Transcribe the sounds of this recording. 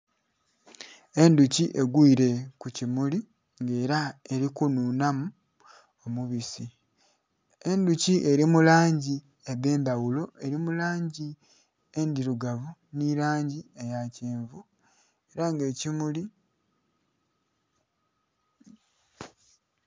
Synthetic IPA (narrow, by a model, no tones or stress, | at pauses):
e̞nduciʔe̞ɡwiːɾe̞kucimuli | ŋɡe̞ːɾae̞ɾikunuːnamu | omuβisi | e̞nduciʔe̞ɾimulaːɲɟi | eβe̞ːmbawulo̞ʔe̞ɾimulaːɲɟi | e̞ndiɾuɡaβuniɾaːɲɟie̞jaceːɱvu | eɾaŋɡe̞ːcimuli